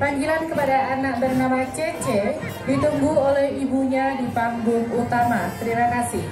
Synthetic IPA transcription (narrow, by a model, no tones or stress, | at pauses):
paŋɡilankəpadaʔanaʔ̚bərnamat͡ʃet͡ʃe | dit̪uŋɡuolɛhibuɲadipaŋɡʊŋut̪amasəɾiɾakasɪh